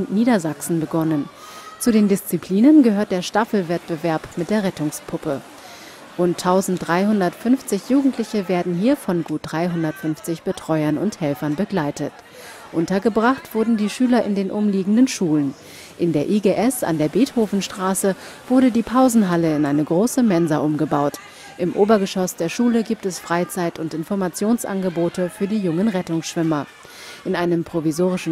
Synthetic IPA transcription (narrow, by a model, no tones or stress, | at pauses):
ʊntniːdɐzaksn̩bəɡɔnən | t͡sudeːndɪst͡sipʰl̥iːnənɡəhøːɐt̚d̥eːɐʃtafl̩vɛt̚b̥əvɛɐpmɪt̚d̥eːɐʁɛtʊŋspʰʊpə | ʁʊntʰːaʊzn̩td̥ʁaɪɦʊndɐtfʏnft͡sɪçjuːɡŋ̩tʰlɪçəveːɐdn̩ɦiːɐfɔnɡuːt̚d̥ʁaɪɦʊndɐtfʏnft͡sɪçb̥ətʁ̥ɔʏɐnʊnthɛlfɐnbəɡlaɪtət | ʔʊntɐɡəbʁaχtv̥ʊɐdn̩diːʃyːlɐʔɪndeːnʔʊmliːɡŋ̩dənʃuːlən | ʔɪndeːɐʔiɡeːʔɛsa̰ndeːɐbeːthoːfn̩ʃtʁ̥aːsə | v̥ʊɐɾədiːpʰaʊzn̩ɦaləɪnʔaɪnəɡʁoːsəmɛnzɐʔʊmɡəbaʊt | ʔɪmʔoːbɐɡəʃɔsd̥eːɐʃuːləɡiːp̚tɛsfʁ̥aɪt͡saɪtʊntɪnfɔɐmat͡sjoːnsʔa̰nɡəboːtəfyːɐdiːjʊŋənʁɛtʊŋsʃv̥ʏmɐ | ʔɪnʔaɪnəmpʁ̥ovizoːʁ̞ɪʃn̩